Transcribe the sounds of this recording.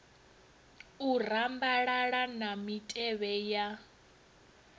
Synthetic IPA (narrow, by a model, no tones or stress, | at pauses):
urambaɺaɺanamitʼɛβɛja